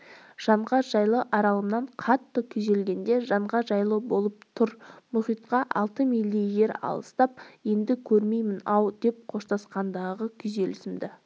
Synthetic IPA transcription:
ʒ̥ɑɴʁɑʒɑjlˠəʔɑɾɑlˠəmnɑɴqʰɑt̪ːəkʲʰʏze̞lɡʲe̞nd̪e̞ʒɑɴʁɑʒɑjlˠəbo̞lˠəp̚t̪ʰʊɾmʊχijt̪qɑʔɑ̰lˠt̪əmilʲːije̞ɾɑ̰lˠəst̪ɑp̚je̞nd̪ɪkʲʰɵɾme̞jmɪnɑwd̪e̞p̚qʰoʃt̪ɑsqɑnd̪ɑʁəkʲʰʏze̞lɪsɪmd̪ɪ

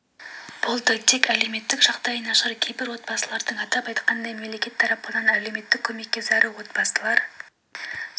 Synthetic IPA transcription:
b̥ʊlˠd̪ət̪ʰe̞kʲæle̞wme̞t̪ːɪkʒɑqd̪ɑjənɑʃəɾəkʲʰe̞jbɪɾwo̞t̪̚bɑsəlˠɑɾd̪əɴɑt̪ɑpɑjt̪qɑnd̪ɑjmemle̞kʲe̞t̪ʰːɑɾɑpːənɑnæle̞wme̞t̪ːɪkʲʰːɵme̞k̚ʲːe̞zɑɾuwo̞t̪̚bɑsəlˠɑɾ

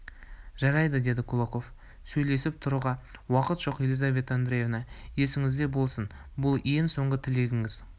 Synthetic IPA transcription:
ʒɑɾɑjd̪əd̪e̞d̪ɪkʰulˠoqo̞f | sɵjle̞sɪp̚t̪ʰʊɾuʁɑwɑqət̪ʒ̥o̞qje̞lizave̞t̪and̪ɾejevnɑje̞sɪŋɪzd̪e̞bo̞lˠsən | bʊlˠje̞ŋso̞ɴʁət̪ʰɪle̞ɡʲɪŋɪz

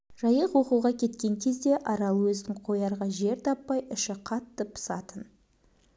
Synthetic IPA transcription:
ʒ̥ɑjəqwo̞quʁɑkʲʰe̞t̪kʲe̞ŋkʲʰe̞zd̪e̞ʔɑɾɑlˠəwɵzd̪ɪŋqʰo̞jɑɾʁɑʒe̞ɾt̪ʰɑpːɑjʔʏʃɪqʰɑt̪ːəpʰʊ̥sɑt̪ən

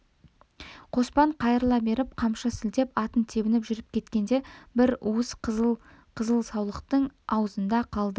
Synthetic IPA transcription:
qʰo̞spɑɴqʰɑjəɾlˠɑbe̞ɾɪp̚qʰɑmʃɑsɪld̪e̞pɑt̪ənt̪ʰe̞bɪnɪpʒʏɾɪp̚kʲʰe̞t̪kʲe̞nd̪e̞bɪɾuəs | qʰəzəlˠsɑwlˠəqt̪əɴɑwəzənd̪ɑqʰɑlˠd̪ə

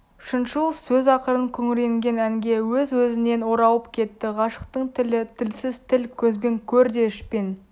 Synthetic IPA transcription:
ʏʃɪnʃulˠfsɵzɑqəɾəŋkʲʰɵŋɪɾe̞ŋɡʲe̞næŋɡʲe̞wɵzwɵzɪne̞nwo̞ɾɑwəpkʲʰe̞t̪ːɪʁɑʃə̥qt̪əɴt̪ʰɪlɪt̪ʰɪlsɪzt̪ʰɪlkʲʰɵzbe̞ŋkʲʰɵɾd̪e̞ʏʃpen

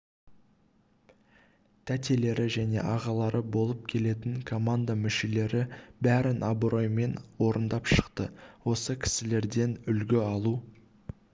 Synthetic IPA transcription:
t̪ʰæt̪e̞le̞ɾɪʒæne̞̰ʔɑʁɑlˠɑɾəbo̞lˠəp̚kʲʰe̞le̞t̪ɪŋkʰo̞mand̪amʏʃe̞le̞ɾɪbæɾɪnʔɑbɾo̞jme̞nwo̞ɾənd̪ɑpʃə̥qt̪əwo̞səkʲʰɪ̥sɪle̞ɾd̪e̞nʏlɡʲɪɑlˠu

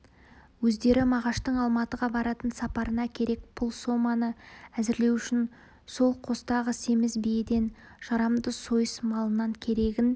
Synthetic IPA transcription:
wɵzd̪e̞ɾɪmɑʁɑʃt̪əɴɑlˠmɑt̪əʁɑbɑɾɑt̪ənsɑpɑɾənɑkʲʰe̞ɾe̞k̚b̥ʰʊlˠso̞mɑnəæzɪɾle̞wʏʃɪn | so̞lˠqʰo̞st̪ɑʁəse̞mɪzbijed̪e̞nʒ̥ɑɾɑmd̪əso̞jəsmɑlˠənɑŋkʲʰe̞ɾe̞ɡʲɪn

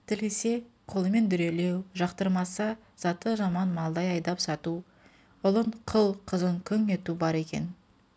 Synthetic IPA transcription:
t̪ʰɪlese̞qʰo̞lˠəme̞nd̪ʏɾe̞le̞wʒɑqt̪əɾmɑsə | z̥ɑt̪əʒɑmɑnmɑlˠd̪ɑjɑjd̪ɑpsɑt̪u | ʊlˠəɴqʰəlˠqʰəzəŋkʲʰʏŋe̞t̪ubɑɾe̞kʲe̞̰n

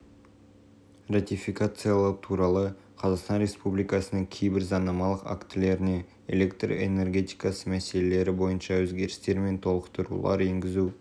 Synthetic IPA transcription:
rat̪ifijkat̪sɨjalˠɑt̪ʰuɾɑlˠə | qʰɑzɑqst̪ɑnɾe̞spublijkɑsənəɴkʲʰe̞jbɪɾzɑnɑmɑlˠəqa̰kt̪ɪle̞ɾɪne̞ | ḛle̞kt̪ro̰ḛne̞rɡʲe̞t̪ijkɑsəmæse̞le̞le̞ɾɪbo̞jənʃɑwɵzɡʲe̞ɾɪst̪e̞ɾme̞nt̪ʰo̞lˠəqt̪əɾṵlˠɑ̰ɾe̞ŋɡʲɪzu

